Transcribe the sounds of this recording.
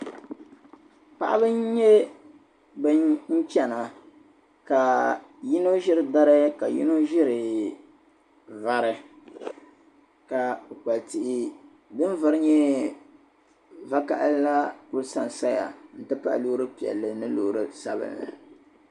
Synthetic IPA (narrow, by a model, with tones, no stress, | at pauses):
pa̰˨ʔa˦bɨ˦n˦ɲɛ˦ | bɨ˦n̩˦t͡ʃɛ˨na˨ | ka˨ji˦no˦ʒɪ˦ɾɨ˨da˦ɾɨ˦ka˨jḭ˦no˦ʒɪ˦ɾɨ˨ | va˨ɾɨ˨ | ka˨ka˨lti˨ʔɪ˦ | dɨ˦n˦va˦ɾɨ˦ɲɛ˦ | va˦ka˨ʔa̰˦lla˦kʊ˦lsa˦n˨sa˦ja̰˨n̩˨tɨ˦pa̰˦ʔloː˦ɾɨ˦pi˨ɛ̰˨lːɨ˨nɨ˦lo˨ɾɨ˦sa˦bɨ̰˦˨nlɨ̰˨